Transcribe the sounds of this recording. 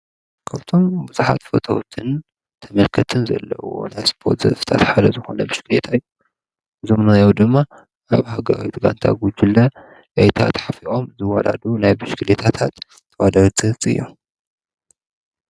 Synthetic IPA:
kʰaβt̪ʰo̞mbuzuħa̰t̪fot̪ʰowt̪ʰɨn | t̪ʰɐmɐlkʰɐt̪ʰɨnzɐ̰lːɐ̰wo̰najspʰoɾt̪zɐ̰fɨt̪ʰat̪ħad̪ɐzɨxo̞̰nɐbɨʃkɨlet̪ʰaɨjːu | ʔɨzomnajawd̪ɨmːa | ʔaβɦaɡɐɾa̰wit̪ʰɡa̰nt̪ʰa̰ɡud͡ʒɪlːɐ | ʔejt̪ʰa̰t̪ħafiʔo̞mzɨwala̰d̪unajbɨʃkʰɨlet̪ʰat̪ʰat̪ː | ɐwad̪ɐɾt͡s̪ʼɨht͡sʼɨ̰jːu

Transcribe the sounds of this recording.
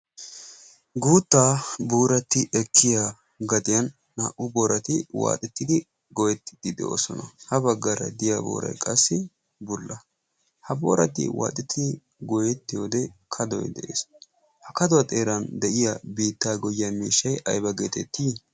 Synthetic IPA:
ɡuːt̪ːaːbuːɾɐt̪ːɪʔɛkʰːɪja | ɡɐt̪ɪjɐnː | aːʔʊboːɾɐt̪ɪwa̰ːt̪ʼɛt̪ːɪd̪ɪ | ɡɔjɛt̪ːɪ̥d̪̥ɪd̪ɛʔo̰ːsɔnɐhɐbɐɡːɐɾɐ̰d̪ɪjabo̰ːɾɐ̰jkʼɐsːɪ | bʊlːɐ | hɐbo̰ːɾɐt̪ːɪ̰wa̰ːt̪ʼɪt̪ʰːɪ | ɡɔjɛt̪ːɪjoːd̪ɛkʰɐd̪ɔ̰jd̪ɛʔḛːs | hɐkɐd̪ɔwɐt̪ʼe̞ːɾɐnd̪ɛʔɪjɐbiːt̪ːaːɡɔjːamiːʃːɐjɐjbɐɡeːt̪ɛt̪ːiː

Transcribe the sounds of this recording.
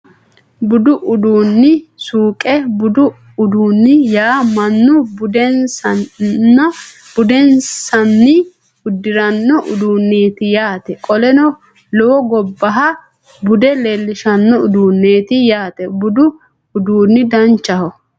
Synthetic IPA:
bʊd̪ʊʔʊd̪uːnːɪsuːkʼɛbʊd̪ʊ | ʊd̪uːnːɪjaːmɐnːʊd̪ | bʊd̪ɛnssɐnːɪ | ʊd̪ːɪɾɐnːɔʔʊd̪uːnːeːt̪ɪjaːt̪ɛkʼɔlɛnɔ | lɔwɔɡɔbːɐɦɐ | bʊd̪ɛleːlːɪʃɐnːɔʊd̪uːnːeːt̪ɪjaːt̪ɛbʊd̪ʊ | ʊd̪uːnːɪd̪ɐnt͡ʃːɐhɔ

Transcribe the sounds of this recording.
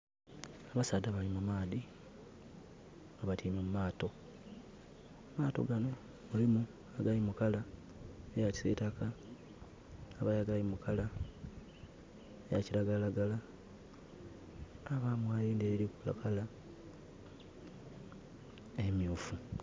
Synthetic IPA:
aβasaːdaβalimumaːði | ŋaβatʰiːmemumaːto̞ | maːto̞̰ɡano̞ | mulimu | aɡalimukala | ejaci̥setaka | βajaɡalimukala | ejaciɾaɡalaɡala | βaːmwajiːndeɾiɾikula̰kʰala | emjuːfu

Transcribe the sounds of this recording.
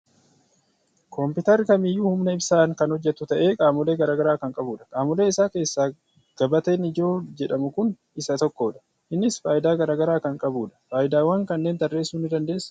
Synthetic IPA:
kʰɔmpɪt̪ɐrkɐmɪjːuːhʊmnɐɪbsaːŋkɐnhɔd͡ʒːɛt̪ːʊt̪ɐʔe̞ːkʼaːmʊle̞ːɡɐɾaːɡɐɾaːkɐŋkʼɐbuːᶑɐ̥kʼaːmʊle̞ːɪsaːke̞ːsːaː | ɡ̥ɐbɐt̪eːnɪd͡ʒo̞ːd͡ʒɛᶑɐmʊkʊn | ɪsɐt̪ɔkːoːᶑɐ̥ | hɪnːɪsfaːjɪd̪aːɡɐɾaːɡɐɾaːkɐŋkʼɐbuːᶑɐ̥faːjɪd̪aːwaːŋkɐnːe̞ːnt̪ɐrːe̞ːsːuːnːɪd̪ɐnd̪e̞ːsː

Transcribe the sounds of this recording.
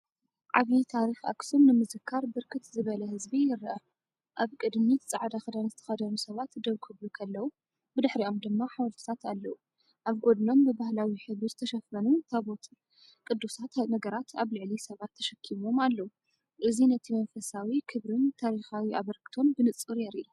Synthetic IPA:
ʔaβit̪ʰaɾixa̰ksomnɨmɨzɨkʰːaɾbɨɾkʰɨt̪zɨβɐlɐhɨzbijɪɾʔɐ | ʔaβkʼɨd̪mit̪ʰt͡sʼaʕd̪axɨd̪anzɨt̪ʰɐ̥xɐd̪ɐnusɐβat̪d̪ɐwkʰɨβlukʰɐlːɐwu | bɨd̪ɨħɾiʔo̞md̪ɨmːaħawɐɾt̪ʰɨ̥t̪ʰat̪alːɐu | ʔaβɡod̪no̞mbɨbahlawiħɨβɨzɨt̪ʰɐʃɐfɐnut̪ʰaβot̪ | kʼɨd̪ːusat̪nɐɡɐɾat̪ʰaβlɨʕlisɐβat̪ʰːɐʃɐkʰːimo̞malːɐwu | ʔɨzinɐt̪ʰimɐnfɐsawikʰɨβɾɨnt̪ʰaɾixawiʔaβɐɾkɨ̥t̪ʰo̞nbɨnɨt͡sʼɨɾjɛɾiʔu

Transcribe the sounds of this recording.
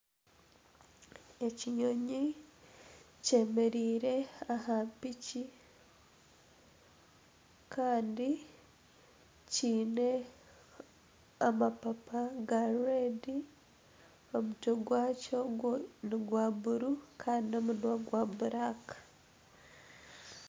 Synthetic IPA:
e̞ciɲo̞ɲi | ce̞me̞ɾiːɾe̞ahaːmpici | kʰaːndi | ciːne̞ | amapapaɡaɾuɾedi | o̞mutoɡwaːcoɡoniɡwaːβuɾukʰaːndio̞munwaɡwaːbuɾakḁ

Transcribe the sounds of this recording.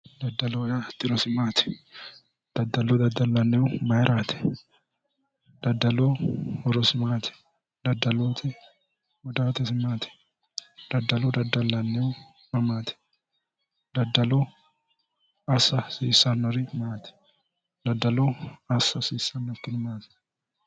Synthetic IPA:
d̪ɐd̪ːɐlɔjat̪ɪɾɔsɪmaːt̪ɛ̥ | d̪̥ɐd̪ːɐlɔd̪ɐd̪ːɐlːɐnːɛwʊmɐjɾʔaːt̪ɛ̥ | d̪̥ɐd̪ːɐlɔhɔɾɔsɪmaːt̪ɛ̥ | d̪ɐd̪ːɐloːt̪ʰɛ | wɔd̪aːt̪ɛsɪmaːt̪ɛ̥ | d̪̥ɐd̪ːɐlɔd̪ɐd̪ːɐlːɐnːɛw | mɐmaːt̪ɛ̥ | d̪ɐd̪ːɐlɔ | ɐsːɐsiːsːɐnːɔɾɪmaːt̪ɛ̥ | d̪ɐd̪ːɐlɔɐsːɐsiːsːɐnːɔt̪ːɪnɪmaːt̪ɛ̥

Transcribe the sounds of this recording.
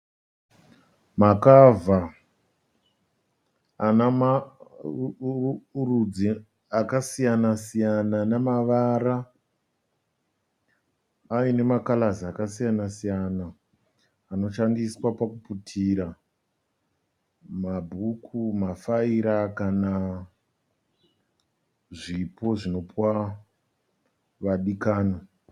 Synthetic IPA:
makava | anama | rud͡zi | akasijanasijananamaʋaɾa | ine̞makalaziakasijanasijanaː | no̞ʃandiswapakuputʰiɾa | mabʱukʰumafaiɾakana | ʐipo̞ʐino̞pwa | ʋaɗikaːno

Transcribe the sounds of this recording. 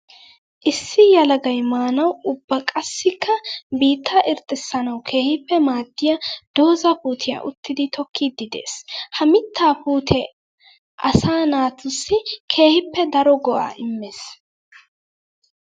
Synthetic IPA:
ʔɪsːɪjɐlɐɡɐjmaːnɐwʊbːɐkʼɐsːɪkʰːɐbiːt̪ʰːɐʔɪɾt̪ʼːɪsːɐnɐwkʰe̞ːhɪpːɛmaːd̪ːɪjɐd̪̥o̞ːzɐpuːt̪ʰɪjɐ̰ʔʊ̰t̪ːɪd̪ɪt̪ɔkʰːiːd̪ːɪd̪e̞̰ːshɐmɪt̪ʰːaːpuːt̪ʰɛ | ʔɐ̰saːnaːt̪ʊsːɪkʰe̞ːhɪpːɛd̪ɐɾɔɡɔʔa̰ːʔɪmːeːs

